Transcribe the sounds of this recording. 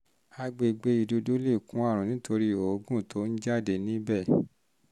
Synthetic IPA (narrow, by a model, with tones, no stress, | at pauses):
a˧ɡ͡be˧ɡ͡be˧i˨do˧du˦le˦˨kũ˨˦a˦˨ɾ̃ũ˨nĩ˨˦tʰo˧ɾi˦o˨˦ɡũ˦˨tʰo˨˦n̩˦d͡ʒa˦˨de˧˨nĩ˦bɛ˦˨